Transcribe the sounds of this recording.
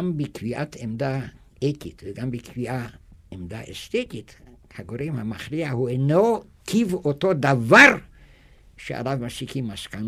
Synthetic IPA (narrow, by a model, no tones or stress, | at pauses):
ambikʰviat̪ʰemd̪a | ek̪it̪veɡambikʰviaemd̪a̰ḛʃt̪et̪it̪ | haɡoɾemhamaxɾiahueno | kʰivot̪od̪avaɾ | ʃea̰lavmaʃikʰimaʃkan